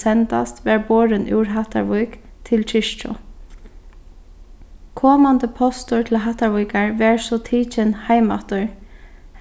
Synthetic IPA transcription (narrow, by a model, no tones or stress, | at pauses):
ɛnt̪a̰st̪ʋɛːɹboːɹɪnʔɪ̰ːɹɦaht̪a̰ɹʋʊjkt̪ʰɪlt͡ʃʰɪʃt͡ʃɔ̰ | kʰɔːmant̪əpʰɔst̪ʊɹt̪ʰɪlɦaht̪aɹʋujkaɹʋɛːɹsɔt̪ʰiːt͡ʃɪnhaɪma̰ht̪ʊɹ